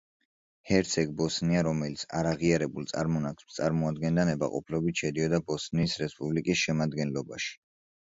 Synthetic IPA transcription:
hɛɾt̪sʰɛɡ̚bɔsniaɾɔmɛlit̪sʰa̰ɾaʁiaɾɛbulˠt̪sʼa̰ɾmɔnakt̪sʼaɾmɔad̪ɡɛnd̪anɛba̰qʼɔ̰pʰlɔbit̪ʃɛd̪iɔd̪abɔsnisɾɛspʼublikʼisʃɛmad̪ɡɛnlɔba̰ʃi̥

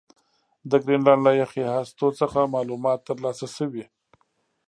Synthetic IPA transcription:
d̪əɡɾinlandlajaxehɑst̪ot͡səxamɑlumɑt̪ːəɾlɑsasəwi

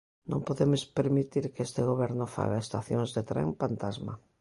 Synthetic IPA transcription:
nõmpoðemʊspeɾmit̪iɾkest̪eɣoβɛɾnʊfa̰ɣaest̪aθjoŋzðet̪ɾḛŋpant̪azma̰

